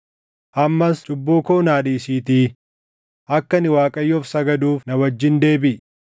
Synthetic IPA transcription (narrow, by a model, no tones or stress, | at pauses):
ʔɐmːɐst͡ʃʼʊbːuːkoːnaːᶑiːsiːt̪iː | ʔɐkːɐnɪwaːkʼɐjːɔːfsɐɡɐd̪uːfnɐwɐd͡ʒːɪnd̪e̞ːbɪ